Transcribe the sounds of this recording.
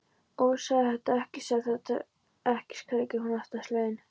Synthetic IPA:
owsahɛht̪aɛhcɪsaθat̪a̰ | ɛhcɪ̥skʰakɪhunaht̪asleːjn

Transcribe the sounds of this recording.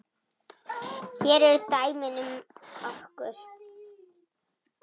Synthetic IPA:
çɛɾɛɾt̪aːjmɪnʏmɔhkʏɾ̥

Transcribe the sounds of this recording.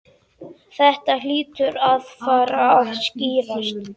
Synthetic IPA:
θɛht̪al̥iːt̪ʏɾaðfaːɾaavsciːɾast̪

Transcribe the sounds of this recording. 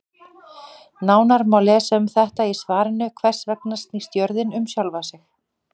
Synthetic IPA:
naːwnaɾmawlɛːsʏmθɛht̪aisvaːɾɪnʏkʰvɛr̥svɛknast̪nist̪jœɾðɪnʏmsjalvasɪx

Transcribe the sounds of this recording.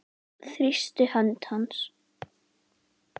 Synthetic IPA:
θɾist̪ʏhœnt̪hans

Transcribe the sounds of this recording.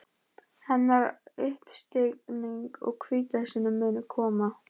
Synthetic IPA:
hɛnːaɾʏhpst̪ɪkniŋkɔ̰ɣkʰviːt̪asɪnʏmːʏːnʏkʰɔːma

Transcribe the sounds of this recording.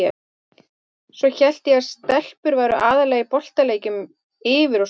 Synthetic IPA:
ɛ | svɔçɛl̥t̪jɛɣaɾ̥st̪ɛl̥pʏɾvaːɾʏʔaːðalɛːɣɪpɔl̥t̪aleːjcʏm | ɪːvɪɾɔ

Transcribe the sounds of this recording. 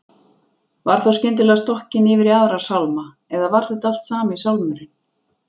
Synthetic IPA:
vaɾ̥θawscɪnt̪̬ɪlɛɣast̪ɔhcɪnɪvɪɾiaðɾasawlma | ɛðavaɾ̥θɪt̪al̥t̪saːmaisawlmɛɾɪn

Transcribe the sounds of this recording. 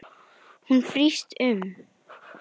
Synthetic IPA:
hunfɾistʰʉm

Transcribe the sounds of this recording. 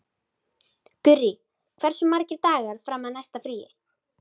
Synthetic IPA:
t̪ʏrːi | kʰv̥ɛɾ̥sʏmːaɾcɪɾt̪aːɣaɾ̥fɾaːmːaðnajst̪afɾiːjɪ̰

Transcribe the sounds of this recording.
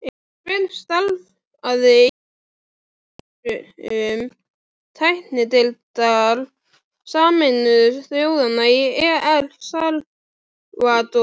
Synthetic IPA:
fɪlst̪alv | aðɪ | ʏm | t̪ʰajht̪nɪt̪ɪlt̪al | saːmɪnʏðsθjowðanaiɛːɛlsal | vat̪ɔ

